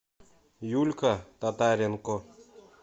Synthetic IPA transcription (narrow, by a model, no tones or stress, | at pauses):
julʲkat̪ɐt̪aːɾenko